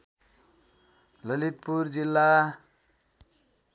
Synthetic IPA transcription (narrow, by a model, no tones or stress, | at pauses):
lʌlit̪purd͡zilːa